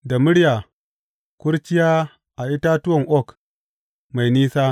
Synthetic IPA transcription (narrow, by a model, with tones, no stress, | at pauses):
da˨mu˦ɾja˨ | ku˦ɾt͡ʃi˦ja˦ | a˨i˦ta˦tu˦wo˦˨ŋʔo˦˨k | ma˨jni˦sa˦